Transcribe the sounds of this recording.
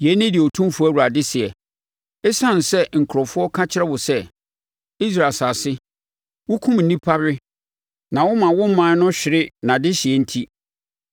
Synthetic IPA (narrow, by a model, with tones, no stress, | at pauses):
jɛ˨˦nɪ̃˦dɪ˨o˨tʰũ˦m˦fʊ˦æ˦˨wu˨ɾa˨dɪ˦sɪ˨ɛ˨ | ɛ˦sã˦˨n˨sɛ˦ŋ̩˨kʰɾɔ˨fʊ˦ɔ˦kʰa˦t͡ɕʰɪ˦ɾɛ˦wʊ˨sɛ˦ | i˦sɾa˨sa˨sɪ˦ | wʊ˦kʰʊ̃˦mn̩˨nĩ˦pʰa˦bɾɪ˦ | nã˨wʊ˦mã˨wʊ˦m̩˦mã˦nʊ̃˦ɕᶣɪ˨ɾɪ˦nã˨dɪ˦ɕɪ˨ɛ˨n̩˦tʰi˦